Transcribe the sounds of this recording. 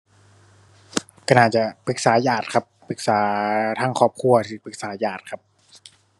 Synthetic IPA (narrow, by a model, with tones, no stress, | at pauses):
ka˧˩naː˨˩t̪̚t͡ɕa˨˩pʰɯ˧˦k̚saː˩˦jaː˨˩t̪̚kʰa˦˥p̚pʰɯ˨˩k̚saː˩˦t̪ʰaː˧˥˩ŋkʰɔː˧˩p̚kʰu˧ɐt̪ʰiː˧˨˩pʰɯ˨˩k̚saː˩˦˥jaː˨˩t̪̚kʰa˦˥p̚